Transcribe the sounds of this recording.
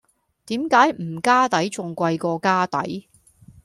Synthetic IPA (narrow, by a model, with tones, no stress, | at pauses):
t̪iː˨˥mkaː˨˥jm̩˨˩kaː˥t̪ɐ˨˥jt͡sʊ˨ŋkʷɐ˧jkɔː˧kaː˥t̪ɐ̰˨˥j